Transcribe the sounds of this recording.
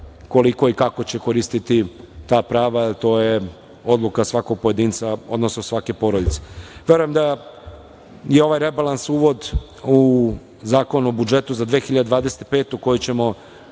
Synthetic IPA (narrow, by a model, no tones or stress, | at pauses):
ko̞liko̞ikako̞t͡ɕe̞ko̞ɾist̪it̪it̪aːpɾaːʋat̪o̞ːje | o̞d̪lˠukasʋako̞ɡ̚po̞je̞d̪iːnt̪sao̰d̪nosnosʋake̞po̞ɾod̪it̪se̥ʋe̞ɾujemd̪a | jeo̞ʋajɾe̞balansuːʋo̞d̪ | u | zaːko̞nobud͡ʒet̪uzad̪ʋeːxiʎad̪d̪ʋaːd̪ese̥t̪pe̞ːt̪uko̞jit͡ɕemo̞